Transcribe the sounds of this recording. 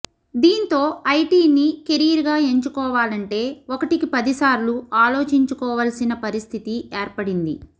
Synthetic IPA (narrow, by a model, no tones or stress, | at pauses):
d̪iːnt̪o̞ːɐjʈiːnikeɾiɾɡaːe̞ɲt͡ʃukɔːʋaːlɐɳʈe̞ːɔkɐʈikipɐd̪isaːɾluaːlo̞ːt͡ʃiɲt͡ʃukɔːʋɐlɐsinɐpɐɾist̪ʰit̪ieːɾpɐɽind̪ḭ